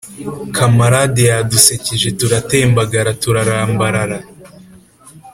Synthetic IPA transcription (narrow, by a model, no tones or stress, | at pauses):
kʰamaɾadejaduseciʒe̞tuɾateːmbaɡaɾatuɾaɾaːmbaɾaɾa